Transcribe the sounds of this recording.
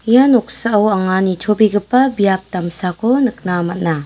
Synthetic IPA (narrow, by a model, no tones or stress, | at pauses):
janɔk̚saːwaŋanitʰobiɡɯpːɐbijap̚tamsakʰɔnɯk̚namɐt̚na